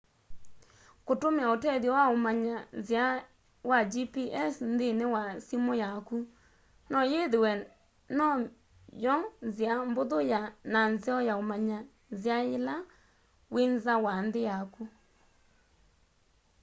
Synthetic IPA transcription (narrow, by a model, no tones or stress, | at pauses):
kotomeaotɛðjɔwaomaɲazja | wad͡ʒipiʔɛsnðenewasimɔjaku | nɔjeðewɛ | nɔ | jɔzjamboðojananzeɔjaomaɲa | zjaela | wenzawanðejaku